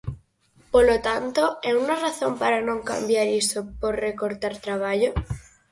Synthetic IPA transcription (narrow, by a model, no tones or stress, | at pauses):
polot̪ant̪oɛunaraθompaɾanõŋka̰mbjaɾisopoɾrekoɾt̪aɾt̪ɾaβ̞aʎo